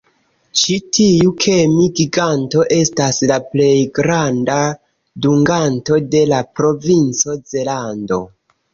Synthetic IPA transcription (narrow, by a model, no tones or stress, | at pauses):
t͡ʃitʰiukʰe̞miɡiɡanto̞ʔe̞staslaple̞jɡɾanda | duŋɡanto̞de̞lapɾo̞vint͡so̞d͡ze̞lando̞̰